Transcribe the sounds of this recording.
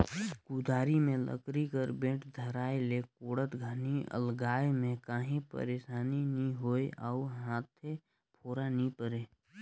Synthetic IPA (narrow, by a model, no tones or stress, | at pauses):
kud̪ʱaːɾimẽlə̰kɾikəɾbẽːʈd̪ʱəɾaːelekoːɽət̪ɡʱaniʔə̰lɡaːemẽkaːɦĩpə̰ɾeːʃaːninĩɦoːeʔaːuɦãːt̪ʰe | pʰoːɾanĩpəɾeː